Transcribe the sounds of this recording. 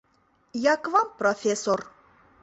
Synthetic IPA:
jakvampɾɔfʲesɔr

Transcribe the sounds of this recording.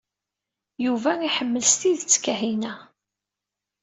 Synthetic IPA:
juvæiħəmːəlst̪iðət͡sːkːæɦinæ

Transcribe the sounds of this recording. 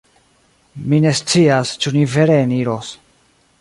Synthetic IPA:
mine̞st͡siast͡ʃunive̞ɾeːniɾo̞s

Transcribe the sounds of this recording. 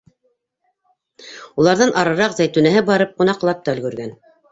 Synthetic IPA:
ulˠɑɾðɤnɑɾɤ̆ɾɑqzæjt̪ʉnæɦɘbɑɾɤp̚qŭnɑqlˠɑp̚t̪ɑɵ̆lɡɵ̆ɾɡæn

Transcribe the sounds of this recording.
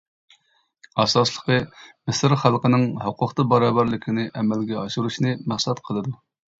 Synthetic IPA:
ɑsɑslˠəqʰəmɪsɪɾχælˠqənɨŋhʊqʰʊχt̪ɑbɑɾɑːbɑɾlˠɪkʲʰinɪʔɛmɛlɡʲɛɑʃuɾuʃnɨmæχsɑt̪qʰəlˠɨd̪u

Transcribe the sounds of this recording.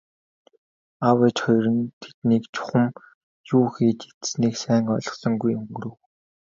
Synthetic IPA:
awet͡ɕχɔjɾɞ̆nt̪ʰe̥t̪niːkt͡ɕʰʊ̥χə̆m | juːxiːt͡ɕe̥t̪sniːksæːŋɔɮɞ̆χsɞ̆ŋɡujɵŋɡɵɾɵ̆w

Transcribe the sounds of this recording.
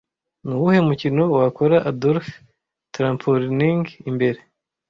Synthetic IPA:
nuwuhe̞umucino̞wakoɾaʔadolf | tɾaːmpʰoɾniŋɡimbe̞ɾe̞

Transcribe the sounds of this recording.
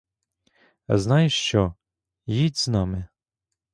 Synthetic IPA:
znɑjʃt͡ʃɔ | jidʲznɑmɪ

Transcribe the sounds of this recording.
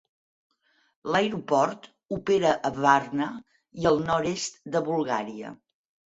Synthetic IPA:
ləjɾupɔɾt̪ | upeɾəʔəβarnə | iəlˠnɔɾest̪d̪əβulˠɣaɾiə̰

